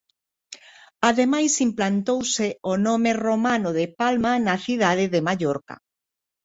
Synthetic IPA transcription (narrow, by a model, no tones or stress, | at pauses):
aðemajsimplant̪owseonõmeromanoðepalmanaθiðaðɪðemaʎoɾka̰